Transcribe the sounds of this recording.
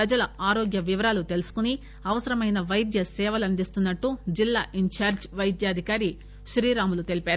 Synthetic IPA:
pɾɐd͡ʒɐlɐaːɾoːɡjɐʋiʋɐɾaːlut̪e̞lusu̥kuni | ɐʋɐsɐɾɐmɐjnɐʋɐjd̪jɐsɛːʋɐlɐnd̪ist̪unːɐʈːud͡ʒilːaːʔiɲt͡ʃaːɾd͡ʒʋɐjd̪jaːd̪ʱikaːɾi | ʃɾiːɾaːmulut̪e̞lipaːɾu

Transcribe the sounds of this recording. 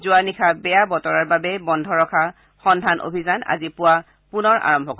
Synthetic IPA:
zʊwanikʰabɛjabɔtɔɹaɹbabɛbɔndʱɔɹɔkʰa | xɔndʱanʔo̰bʱizana̰zipʊwa | punɔɹa̰ɹɔmbʱɔkɔ

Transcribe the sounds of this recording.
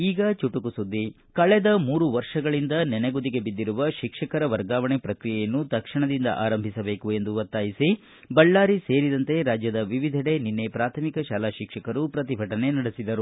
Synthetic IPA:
iːɡɐt͡ʃuʈukusud̪ːi | kɐɭed̪ɐmuːɾuʋɐɾʂɐɡɐɭind̪ɐnɛneɡud̪iɡe̞bid̪ːiɾuʋɐʃikʂɐkɐɾɐʋɐɾɡaːʋɐɳepɾɐkɾijɛjɐnːut̪ɐkʂiɳɐd̪ind̪ɐ̰ʔaːɾɐmbʱisɐbe̞ːkue̞nd̪uʋɐt̪ːaːjisi | bɐɭːaːɾiseːɾid̪ɐnt̪e̞ɾaːd͡ʒjɐd̪ɐʋiʋid̪ʱɐɽe̞ninːe̞pɾaːt̪ʰɐmikɐʃaːlaːʃikʂɐkɐɾupɾɐt̪̬ibʱɐʈɐne̞nɐɽisid̪ɐɾu

